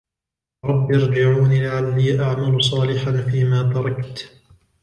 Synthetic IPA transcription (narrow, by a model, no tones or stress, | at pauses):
ɾˤɑbːjɑɾˤd͡ʒɪʕuːniːlaʕalːiːʔaʕmalʊsˤɑːlɪħanfiːmaːt̪ɑɾˤɑkt̪